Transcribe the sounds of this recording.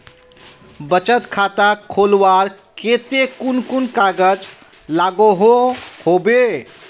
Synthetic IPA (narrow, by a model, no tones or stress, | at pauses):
bət͡ʃət̪kʰat̪akʰolwaɾ | ket̪ekunkunkaɡəd͡ʒ | laɡoɦohobe